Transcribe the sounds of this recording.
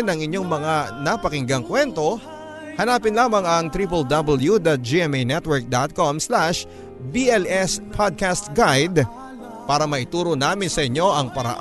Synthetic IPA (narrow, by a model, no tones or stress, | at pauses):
nɐŋɪɲːo̞ŋmɐŋanɐpɐkɪŋɡɐŋkwɛnt̪o̞ | hɐnaːpɪnlaːmɐŋɐŋt̪ɾiːpɐld̪ɐbɐljud̪ɐt̪̚d͡ʒiɛmejnɛt̪wɛɹk̚d̪at̪̚komslaʃ | biʔɛlɛspʰad̪̚kast̪ɡajd̪ | paːɾɐmɐʔɪt̪uːɾonaːmɪnsɐʔɪɲːo̞ʔɐŋpɐɾɐ̰ʔ